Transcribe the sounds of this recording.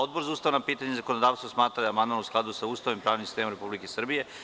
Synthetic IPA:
od̪̚bo̞ɾzauːst̪aʋnapiːt̪aɲezako̞nod̪aːʋst̪ʋosmaːt̪ɾad̪aamand̪manusklˠad̪usauːst̪aʋimpɾaːʋnimsi̥st̪emaɾe̞publikesr̩bije̞

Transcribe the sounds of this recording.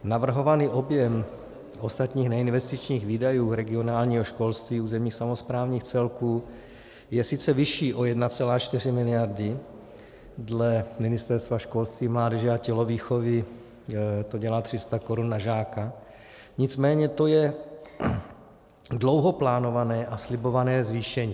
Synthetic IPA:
navr̩ɦo̞vaniːʔo̞bjɛm | ʔo̞st̪at̪ɲiːxnɛinvɛst̪ɪt͡ʃɲiːɣviːdajuːɾɛɡɪo̞naːlɲiːɦoʃko̞lst̪viːuːzɛmɲiːxsamospɾaːvɲiːxt͡sɛlkuː | jɛsɪt͡sɛvɪʃiːʔo̞jɛdnat͡sɛlaːt͡ʃt̪ɪr̝ɪmɪlɪjaɾdɪ | dlɛmɪnɪst̪ɛɾst̪vaʃko̞lst̪viːmlaːdɛʒɛacɛlo̞viːxo̞vɪ | t̪o̞ɟɛlaːt̪r̝̥ɪst̪ako̞ɾunːaʒaːka | ɲɪt͡smɛːɲɛt̪o̞jɛ | dlo̞wɦo̞plaːno̞vanɛːʔaslɪbo̞vanɛːzviːʃɛɲiː

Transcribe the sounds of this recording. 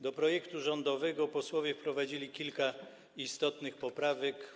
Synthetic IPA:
d̪ɔpɾɔjɛkt̪uʐɔnd̪ɔvɛɡɔpɔswɔvʲjɛfpɾɔvad͡ʑilʲikʲilka | ist̪ɔt̪nɘxpɔpɾavɛk

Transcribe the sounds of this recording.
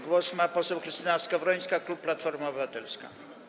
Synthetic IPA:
ɡwɔsmapɔsɛwxɾɨst̪inaskavɾɔɲ̃skaklupːlat̪fɔɾmaɔbɘvat̪ɛlska̰

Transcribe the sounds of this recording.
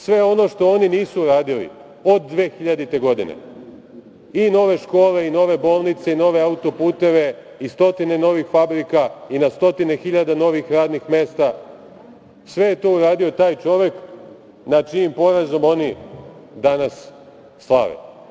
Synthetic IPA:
sʋe̞o̞no̞ʃt̪o̞oniniːsuuɾaːd̪ilḭ | o̞d̪ːʋe̞ːxiʎad̪it̪e̞ɡo̞d̪ḭnḛ | ino̞ʋe̞ʃko̞ːle̞ino̞ʋe̞bo̞ːlˠnit̪seino̞ʋe̞aut̪o̞puːt̪e̞ʋe̞ | ist̪o̞t̪ine̞no̞ʋixfabɾikainast̪o̞t̪ine̞xiʎad̪ano̞ʋixɾaːd̪nixme̞st̪a | sʋe̞je̞t̪o̞ːuɾaːd̪io̞t̪aːjt͡ʃo̞ʋe̞k | nat͡ʃiːmpo̞ɾazo̞mo̞nid̪anasː | lˠa̰ʋḛ

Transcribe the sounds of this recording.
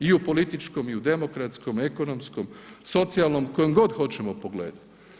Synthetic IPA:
iupo̞lit̪it͡ʃko̞miud̪e̞mo̞kɾat̪sko̞me̞ko̞nomsko̞mso̞t̪sialˠno̞mko̞jomɡo̞d̪xo̞t͡ɕemopoɡlḛːd̪u

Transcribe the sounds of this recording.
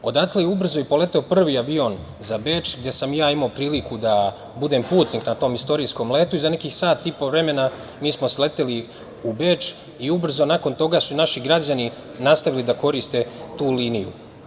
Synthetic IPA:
o̞d̪aklejubr̩zo̞ipo̞le̞t̪eopr̩ʋiaʋio̞n | zabeːt͡ʃɡd̪je̞samjaːimaopɾiːlikud̪a | bud̪e̞mpuːt̪niknat̪o̞ːmist̪o̞ɾiːsko̞mle̞ːt̪uizane̞kiːxsaːt̪ːipo̞ʋɾe̞me̞na | miːsmo̞sle̞t̪eli | ubet͡ʃ | iubr̩zo̞nako̞nt̪o̞ɡasunaʃiɡɾad͡ʑani | nast̪aʋilid̪ako̞ɾist̪e̞t̪uːliːnijṵ

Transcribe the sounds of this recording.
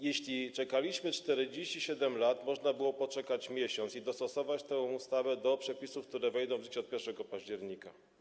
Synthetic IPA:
jeɕlʲit͡ʂɛkalʲiɕmɘt͡ʂt̪ɛɾɘd͡ʑeɕt͡ɕiɕɛd̪ɛmlat̪mɔʐnabɘwɔpɔt͡ʂɛkat͡ɕmʲjeɕɔnt̪sid̪ɔst̪ɔsɔvat͡ɕt̪ɛ̃ust̪avɛd̪ɔpʂɛpʲisufk̚t̪uɾɛvɛjd̪ɔw̃vʐɘt͡ɕɛɔt̪̚pʲjɛɾʂɛɡɔpaʑd͡ʑɛɾɲika

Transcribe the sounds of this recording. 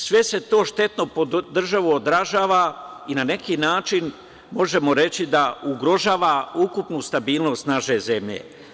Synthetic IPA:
sʋe̞se̞t̪o̞ːʃt̪e̞t̪no̞pod̪r̩ʒaʋuod̪ɾaʒaːʋainane̞kiːnaːt͡ʃin | mo̞ʒe̞mo̞ɾe̞t͡ɕid̪auɡɾo̞ʒaːʋaukupnust̪abiːlno̞ːst̪naʃe̞ze̞mʎe̞̰

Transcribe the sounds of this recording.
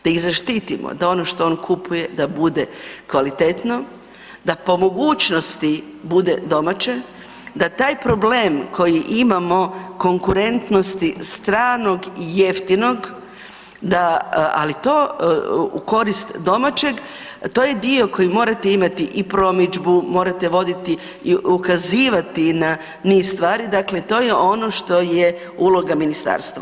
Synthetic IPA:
d̪̥aiɣzaʃt̪it̪imo̰d̪ao̞no̞ʃt̪o̞oːnkʰupuje̞d̪abud̪ekʋalit̪et̪no̞ | d̪apo̞mo̞ɡuːt͡ʃno̞st̪i | bud̪ed̪o̞mat͡ʃe | d̪at̪aːjpɾo̞ble̞ːmkʰo̞jiʔimamo̞ko̞ŋkuɾe̞nt̪no̞st̪ist̪ɾaːno̞ɡije̞ft̪ino̞ɡ | d̪aa̰lit̪o̞ː | ṵko̞ɾist̪d̪o̞mat͡ʃe̞ɡ | t̪o̞ːjed̪io̞ko̞jimo̞ːɾat̪eimat̪iʔipɾo̞mid͡ʒbumo̞ːɾat̪e̞ʋo̞d̪it̪i | iukaziːʋat̪ina | nist̪ʋaːɾid̪aklet̪o̞ːjeʔo̞no̞ʃt̪o̞je | ulˠo̞ɡaminist̪a̰ːɾst̪ʋa

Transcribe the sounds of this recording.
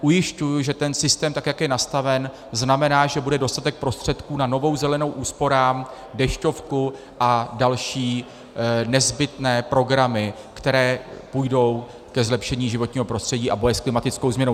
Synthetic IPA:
ʔujɪʃcujʊʒɛt̪ɛnsɪst̪ɛːmt̪akjakjɛnast̪avɛn | znamɛnaːʒɛbudɛdo̞st̪at̪ɛk̚pɾo̞st̪r̝̥ɛt̪kuːnano̞vo̞wzɛlɛno̞wʔuːspo̞ɾaːm | dɛʃco̞fku | ʔadalʃiː | nɛzbɪt̪nɛːpɾo̞ɡɾamɪ | kt̪ɛɾɛːpujdo̞w | kɛzlɛpʃɛɲiːʒɪvo̞t̪ɲiːɦo̞pɾo̞str̥ɛɟiːʔabo̞jɛsklɪmat̪ɪt͡sko̞wzmɲɛnow

